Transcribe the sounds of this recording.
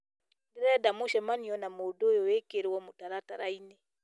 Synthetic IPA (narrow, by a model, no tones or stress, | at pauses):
ndiɾɛdamuʃɛmaniɔnamodojɔwekeɾewɔmutaɾataɾainɛ